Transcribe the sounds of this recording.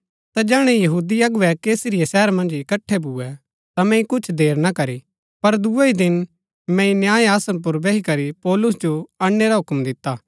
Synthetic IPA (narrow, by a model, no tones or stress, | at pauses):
t̪ad͡ʒɛːɽ̃ɛjɐɦuːd̪iɐɡʊʋɛkeːsɾijɛsɛːɾmɐ̃nd͡ʒɪkɐʈʰːɛbuːɛ | t̪amɛ̃ĩkʊt͡ʃʰd̪eːɾnakɐɾi | pɐɾd̪ueid̪ɪn | mɛ̃ĩnjaːeaːsənp̬ʊɾbɛɦikɐɾipɔːlʊs̬d͡ʒoaːɽːeɾaɦʊkmd̪ɪt̪ːaː